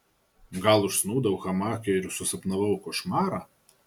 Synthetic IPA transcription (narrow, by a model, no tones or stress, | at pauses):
ɡɐlˠʊʃsnuːd̪ɐwʊxɐmɑːkʲɛɪɾʲsʊsɐpnɐʋɐʊkoʃmɑːɾɑ